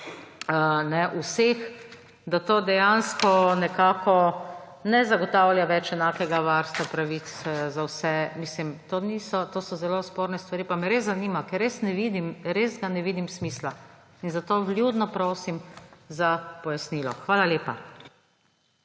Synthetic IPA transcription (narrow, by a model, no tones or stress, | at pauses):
ənɛʔusex | d̪at̪oːd̪ɛjanskɔnɛkaːkɔ | nɛzaɡɔt̪awlʲjaʋɛt͡ʃɛnaːkɛɡaʋaɾst̪ʋapɾaʋit̪szawsɛmislimt̪oːnisɔt̪oːsɔzɛloːspoːɾnɛst̪ʋaɾiːpamɛɾezːaniːmakɛɾːesnɛʋid̪imɾezɡanɛʋiːd̪imsmiːsla | inzat̪oːlʲjud̪nɔpɾoːsimzapɔjasniːlɔ̰xʋaːlaljeːpa